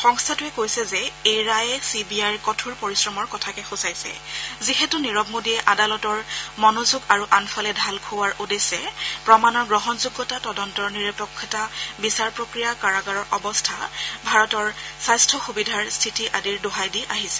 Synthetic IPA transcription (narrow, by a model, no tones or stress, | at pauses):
xɔŋstʰatʊɛkojsɛzɛejɹajɛsibiajɹkɔtʰuɹpɔɹisɹɔmɔɹkɔtʰakɛxusajsɛ̰zixɛtuniɹɔb̚mudiɛʔadalɔtɔɹmɔnozuɡaɹuʔanfʰalɛdʱalkʰuwaɹʔudesɛpɹɔmanɔɹɡɹɔɦɔnzuɡːɔtatɔdɔntɔɹniɹɔpɔkʰːɔtabisaɹpɹokɹijakaɹaɡaɹɔɹʔɔbɔstʰabʱaɹɔtɔɹsajstʰɔxubidʱaɹstʰitiʔadiɹdoɦajdiʔaɦisɛ̥